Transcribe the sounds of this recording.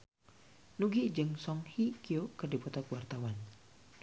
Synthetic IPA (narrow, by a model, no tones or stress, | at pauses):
nuɡid͡ʒəŋsɔŋhikiokərdipɔt̪ɔkwart̪awan